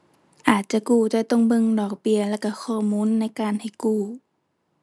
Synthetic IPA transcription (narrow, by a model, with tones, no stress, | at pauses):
ʔaː˨˩t̪̚t͡ɕa˧˨kuː˧˩t̪ɔː˧˩˨t̪o˧˩˨ŋbɤ˧˨ŋdɔː˨˩k̚bi˧˨əlɛː˧˩ka˧˩kʰɔː˧˩muː˧˥˨nːa˧˥˨jkaː˧˨nha˨˩jkuː˧˩